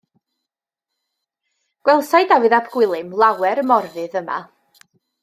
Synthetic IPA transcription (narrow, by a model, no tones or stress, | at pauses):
ɡ̥wɛlˠsajdawɨðabɡ̥wɪlˠɨmlˠawɛɾəmɔrvɨðəma̰